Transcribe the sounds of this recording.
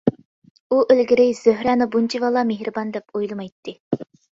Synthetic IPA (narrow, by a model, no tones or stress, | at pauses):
uʔelɡʲiɾɪz̥øɦɾɛːnɪbunt͡ʃʰivɑlˠɑmeɦɾɨbɑnd̪ɛpojlˠɨmɑjt̪ʰːɨ